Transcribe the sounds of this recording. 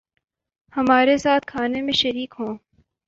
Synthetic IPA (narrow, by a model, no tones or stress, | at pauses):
hɐmaːɾesaːt̪̚kʰaːnemẽʃɐɾiːkɦõː